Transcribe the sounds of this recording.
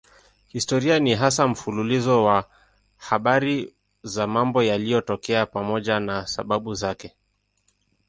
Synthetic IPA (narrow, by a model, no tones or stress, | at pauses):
histɔɾianiɦasam̩fululizɔwa | haɓaɾi | zamambɔjalijɔtɔkɛapamɔʄanasa̰ɓaɓuzakɛ